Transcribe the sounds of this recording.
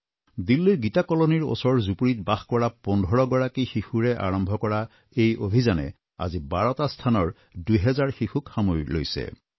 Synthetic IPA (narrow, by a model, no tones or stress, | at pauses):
dilːiɡitakɔloniɹo̰sɔɹzupuɹitbaxkɔɹapɔndʱɔɹɔɡɔɹakixixuɹɛʔa̰ɹɔmbʱɔkɔɹa | ejobʱizanɛ̰ | a̰zibaɹɔtastʰanɔɹ | dujɦɛzaɹxixukxamojlo̰jsɛ̰